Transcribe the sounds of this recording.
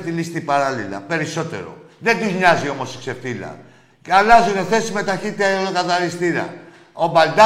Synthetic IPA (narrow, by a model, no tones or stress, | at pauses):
t̪ilist̪ipaɾɐlilɐ̰pe̞ɾiso̞t̪e̞̰ɾo̞̰ðend̪uzɲɐzio̞mo̞sikse̞fθilɐ̰ | alɐzune̞θe̞sime̞t̪ɐçit̪ːiɐolokɐθɐɾist̪iɾɐ̰ | obɐld̪a